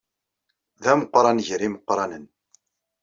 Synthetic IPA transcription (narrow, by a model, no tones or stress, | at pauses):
ðæməqɾˤɑnʝɾiməqːɾˤɑnən